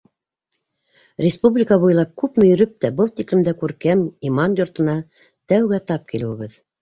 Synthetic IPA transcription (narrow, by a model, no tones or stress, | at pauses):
ɾʲɪspublʲikɑbujlˠɑp̚kʉpmɵ̆jɵ̆ɾɵp̚t̪æbɤlˠt̪iklɘ̆md̪ækʉɾkæmimɑnjŏɾt̪ɤ̆nɑ | t̪æwɡæt̪ɑp̚kilɘ̆wɘβɘð